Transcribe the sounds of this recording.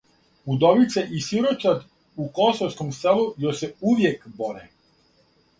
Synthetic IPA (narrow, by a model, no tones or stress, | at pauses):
ud̪oʋit̪seʔisiɾot͡ʃad̪ | ukosowskomselˠujosɛuʋjekboɾɛ